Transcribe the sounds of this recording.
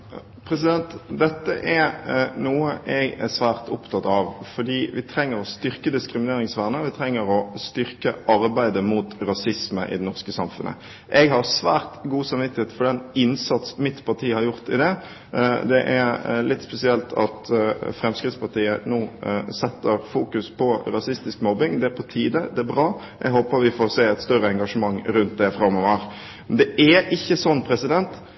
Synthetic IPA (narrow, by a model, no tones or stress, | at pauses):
pʰɾɛs̬ɪd̪ɛnt̪d̪ɛt̪ːə̰ʔæɾnuːəʔɛɡɛ̰sʋæːɾt̪ʊ̰pt̪ʰɑt̪ɑʋfɔɖ̪iːʋɪt̪ʰɾɛŋːəɾɔst̪ʏɾkəd̪ɪskɾɪmɪneːɾɪŋsʋæːʁnəʋɪt̪ʰɾɛŋːəɾɔst̪ʏɾkəʔɑɾbæɪd̪əmut̪ɾɑsɪsməʔɪ̰d̪ɛnɔʁskəsɑmfʉnə̰ | ʔɛɡhɑɾsʋæːɾt̪ɡuːsɑmʋɪt̪ːɪheːt̪fɔɖd̪ɛnɪnsɑt̪smɪt̪pʰɑʁʈ̪ʰiːhɑɾjʊɾt̪ɪd̪ɛ | d̪ɛʔæɾlɪt̪ːspɛsɪɛlt̪ʰɑ̰t̪fɾɛmskɾɪt̪spɑʈ̪iːənoːsɛt̪ːəɾfuːkʉspʰɔɾɑsɪst̪ɪskmɔbɪŋd̪ɛæɾpʰɔt̪ʰiːd̪əd̪ɛæbɾɑː | ʔɛ̰ɡɦoːpəɾʋɪfoːɾseːɛt̪st̪œɾəɛŋɡɑʂəmɑŋːɾʉnt̪̚d̪ɛfɾɑmɔʋəɾ | d̪ɛʔæɪçːəsɔnːpʰɾɛsɪd̪ɛnt̪